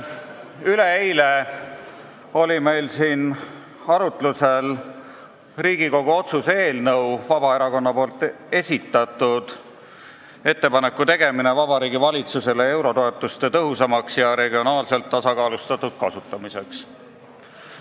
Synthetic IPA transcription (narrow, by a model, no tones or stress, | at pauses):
yleejle | o̞lʲime̞jlsiːn | ɑɾut̪luse̞l | riːɡ̥iko̞ɡ̥uo̞t̪suse̞ːlnɤwvɑb̥ɑe̞ɾɑko̞nːɑpo̞ːlt̪ːˑ | e̞sʲit̪ːˑɑt̪ˑud̪̥ | e̞t̪ːe̞pɑne̞kːut̪e̞ɡ̥e̞mine̞vɑbɑɾiːɡivɑlʲit̪suse̞le̞e̞wɾo̞t̪o̞e̞t̪ːˑust̪e̞t̪ɤɦusɑmɑksjɑɾe̞ɡio̞nɑːlse̞lt̪ːɑsɑkɑːlust̪ɑt̪ːˑud̪̥̚kɑsut̪ːˑɑmise̞ks